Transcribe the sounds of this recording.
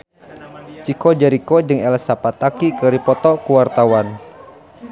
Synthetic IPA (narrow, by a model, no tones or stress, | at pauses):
t͡ʃikɔd͡ʒaɾikɔd͡ʒɨŋɛlasapat̪akikəɾipɔt̪ɔkuwart̪awan